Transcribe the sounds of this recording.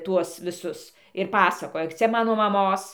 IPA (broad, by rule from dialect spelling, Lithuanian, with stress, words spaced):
ˈtuɔs ʋʲɪˈsʊs ɪr pɐˈsɑːkoːjɛ ˈt͡sʲɛ ˈmɑːnoː mɐˈmoːs